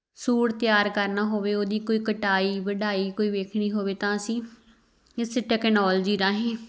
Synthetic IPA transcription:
suːɽt̪ɪjaːɾkəɾnaːɦoːʋeːoːd̪iːkoːiːkəʈaːiːʋəɖaːiːkoːiːʋeːkʰɳiːɦoːʋeːt̪ãːəsĩː | ɪsʈɛːknɔːld͡ʒiːɾãːɦẽː

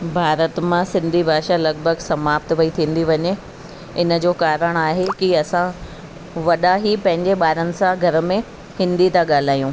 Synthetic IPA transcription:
bʱaːɾət̪mãsɪ̃nd̪ʱibʱaːʃalɐɡbʱəɡsɐmaːpt̪ʋɐit̪ʰĩːnd̪iʋɐɲe | ɪnə̆d͡ʑoːkaːɾəɽ̃aːɦekiɐsã | ʋɐɗaɦipɐ̃ɦɪ̃ɲd͡ʑeɓaːɾənɪ̆sãɡʱɐɾə̆mẽ | hɪ̃nd̪it̪aɠaːl̤aːjũː

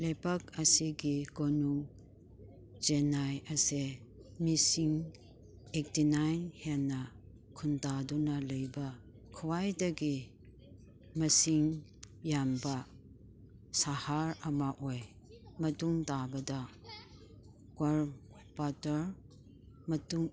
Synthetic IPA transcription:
lepɐkɐsiɡiɡonuŋ | d͡ʒenajɐse | misiŋ | ek̚tinajnhenːɐ | kʰuntadunɐlɐjbɐ | kʰuwajdɐɡi | mɐsiŋ | jambɐ | sahaɾɐmaʔɔj | mɐtuŋtabɐdɐ | kwaɾ | batɐɾ | mɐtuŋ

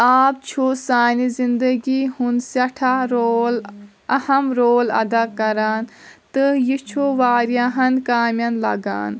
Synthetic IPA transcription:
aːp̚t͡ʃʰusaːnizind̪ɐɡihunsɐʈʰaɾoːl | ɐhɐmɾoːlɐ̰d̪akɐɾaːn | t̪ɨjit͡ʃʰuʋaːɾjaɦɐnkaːmʲjɐnlɐ̰ɡa̰ːn

